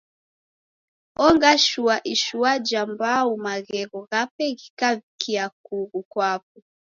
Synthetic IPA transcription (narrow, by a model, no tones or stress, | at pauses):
ɔŋɡaʃuaʔiʃuad͡ʒambaumaɣɛɣɔɣapɛɣikavikʰiak̚uɣukwapu